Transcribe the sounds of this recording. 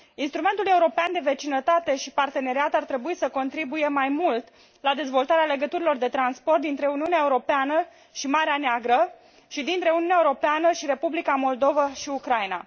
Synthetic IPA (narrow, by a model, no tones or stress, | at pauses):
inst̪ɾume̞nt̪ule̞uɾo̞peand̪e̞ve̞t͡ʃinət̪at̪e̞ʃipart̪e̞ne̞ɾiat̪art̪ɾe̞buisəko̞nt̪ɾibuje̞majmult̪ | lad̪e̞zvo̞lt̪aɾeale̞ɡət̪uɾilo̞rd̪e̞t̪ɾansport̪d̪int̪ɾe̞uniuneaeuɾo̞peanə | ʃimaɾeaneaɡɾə | ʃid̪int̪ɾe̞uniuneaeuɾo̞peanəʃiɾe̞publikamo̞ld̪o̞vaʃiukɾajna̰